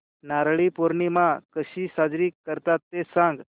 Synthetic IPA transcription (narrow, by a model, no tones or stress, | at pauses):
naɾɭipoɾɳimakəɕiːsad͡zɾiːkːəɾt̪at̪ːesãŋɡ